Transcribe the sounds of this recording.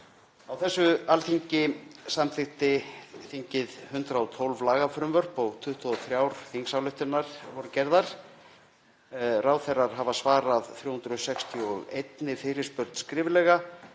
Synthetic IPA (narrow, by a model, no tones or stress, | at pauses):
awθɛsːʏalθiɲcɪsamθɪht̪ɪθiɲcɪðhʏnt̪ɾaɔt̪ʰolvlaːɣafɾʏmvœr̥pɔɣt̪ʰʏht̪ʰɔθɾjaːwɾ̥θiŋksawlʏht̪ɪnːaɾ̥vɔɾʏcɛɾðaɾ̥ | raːwθɛrːaɾ̥ɦavasvaːɾaðθjowhunt̪ɾʏðʏsɛkst̪ʰiɔɣejt̪nɪfɪɾɪ̥spœɾt̪n̥skɾɪːvɪlɛːɣa